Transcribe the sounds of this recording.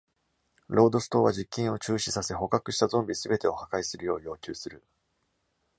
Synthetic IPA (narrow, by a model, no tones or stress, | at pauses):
ɾo̞ːd̪o̞sɨ̥t̪o̞ːβad͡ʑikʲːĩɰ̃o̞t͡ɕɨːɕisase̞ɦo̞kakɯ̟ɕi̥t̪azõ̞mbʲisɨbe̞t̪e̞o̞hakaisɨɾɯjo̞ːjo̞ːkʲɨːsɨɾɯ̟